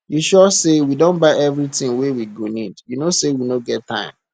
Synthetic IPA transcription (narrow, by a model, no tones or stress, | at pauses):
juʃɔsewidõnbaɪɛvɹitĩŋwewiɡonidjunosewinoɡɛtʰːã̰ɪ̃m